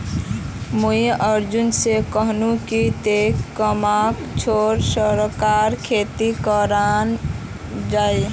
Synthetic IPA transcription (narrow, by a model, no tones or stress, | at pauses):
mujəɾd͡ʒunsekəɦnũkit̪ekəmakt͡ʃʰoɾsəɾkaːɾkʰet̪ikəɾan | d͡ʒaːi